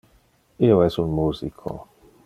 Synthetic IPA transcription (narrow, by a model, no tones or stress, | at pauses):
ioɛsunmuːzikʰo̰